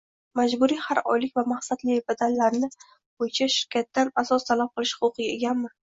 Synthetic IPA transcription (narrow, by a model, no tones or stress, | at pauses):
mad͡ʒbʊɾijhaɾɒ̰jlɪkʲvamaχsad̪lɪbad̪anlaɾnɪ | b̥ojɪt͡ʃʰaʃɪɾkʲʰat̪ːanasɒst̪ʰalap̚qʰɨlˠɪʃhχʊqʊqʰɨɡʲae̞ɡʲanmɪ